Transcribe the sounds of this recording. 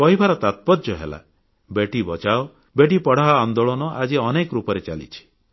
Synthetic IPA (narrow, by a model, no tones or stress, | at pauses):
kɔɦibʱaɾɔt̪at̪̚pɔdɔɦḛla̰ | beʈibɔt͡ʃao | beʈipɔɽ̤aɔand̪oɭɔnɔʔad͡ʒiɔnekɔɾupɔɾet͡ʃalḭt͡ʃʰi̥